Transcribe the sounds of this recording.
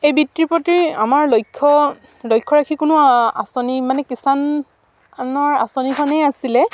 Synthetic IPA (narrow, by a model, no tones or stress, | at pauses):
ejbitɹipotiɹamaɹlojkʰːɔ | lojkʰːɔɹakʰikʊnʊa̰sɔnimanɛkisan | nɔɹa̰sɔnikʰɔnɛjasilɛ